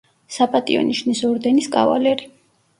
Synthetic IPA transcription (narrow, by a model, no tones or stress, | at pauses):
sapʼat̪ʼiɔ̰niʃnisɔɾd̪ɛniskʼa̰va̰lɛɾi